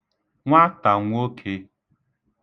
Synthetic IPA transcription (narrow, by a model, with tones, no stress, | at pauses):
ŋʷa˦ta˨ŋʷ˦o˦kʰe˦